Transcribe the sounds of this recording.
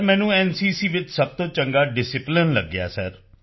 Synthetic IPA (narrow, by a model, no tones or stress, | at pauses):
mɛ̃ːnũːɛːnsiːsiːʋɪt͡ʃsəb̚t̪õːt͡ʃəŋɡaːɖɪsɪplɪnləɡːɪja̰ːsɛɾ